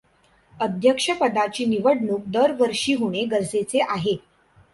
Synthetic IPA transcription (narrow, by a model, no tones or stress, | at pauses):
əd̪ʱjəkʂəpəd̪at͡ɕiːniʋəɽɳuːk̚d̪əɾʋəɾʂiːɦuɽ̃eɡəɾset͡seʔaɦe